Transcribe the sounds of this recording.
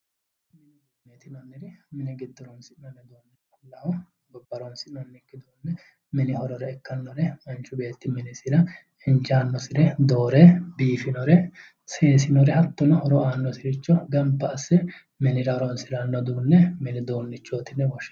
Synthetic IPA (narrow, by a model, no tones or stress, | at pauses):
mnɪnɪd̪unːet̪ɪnɐnːɪɾɪmɪnɪɡɪd̪ːɔɾɔnsɪɐnːɛd̪oːnːɪɾ | lɐhɔ | ɡɔbːɐɾɔnsɪnɐnːɪkːɪd̪oːnːɛ | mɛnɪhɔɾɔɾɛɛkːɐnːɔɾɛmɐnt͡ʃːʊbe̞ːt̪ːɪmɪnɪsɪɾɐ | ɪnt͡ʃaːnːɔsɪɾɛd̪o̞ːɾɛbiːfɪnɔɾɛ | seːsɪnɔɾɛhɐt̪ːʊnɐhɔɾɔaːnːɔsɪɾɪt͡ʃːɔɡɐmpːɐːsɛ | mɪnɪɾɐɔɾɔnsɪɾɐnːɔd̪uːnːɛmɛnɪd̪oːnːɪt͡ʃːoːt̪ɪnːɛwɔʃ